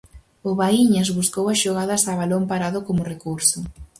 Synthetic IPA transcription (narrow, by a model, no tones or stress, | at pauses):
ʊβaiɲɐzβuskowɐsʃoɣaðɐsaβalompaɾaðʊkomʊrekuɾsʊ